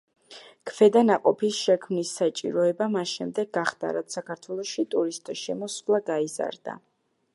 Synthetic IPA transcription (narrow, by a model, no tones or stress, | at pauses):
kʰvɛd̪anaqʼɔpʰisʃɛkʰmnisːat͡ʃʼḭɾɔɛbamasʃɛmd̪ɛɡɡaχd̪̥a̰ɾat̪sʰakʰaɾt̪ʰwɛlˠɔʃit̪ʼuɾist̪ʼʃɛmɔslˠaɡaiza̰ɾd̪a̰